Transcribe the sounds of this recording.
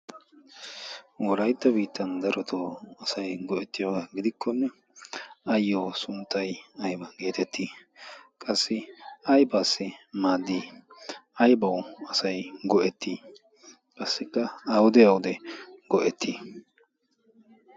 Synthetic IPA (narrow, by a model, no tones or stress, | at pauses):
wɔɾɐjt̪ːɐbiːt̪ːɐnd̪ɐɾɔt̪ʰoːɐsɐjɡɔʔɛt̪ːɪjoːɡaɡɪd̪ɪkʰːɔnːɛ | ɐjːoːsʊnt̪ːɐjɐjbɐɡe̞ːt̪ɛt̪ːiːkʼɐsːɪɐjbaːsːɪmaːd̪ːiː | ɐjbɐwɐsɐjɡɔʔɛt̪ʰːiː | kʼɐsːɪkːɐɐwʊd̪ɛɐwʊd̪ɛɡɔʔɛt̪ʰːiː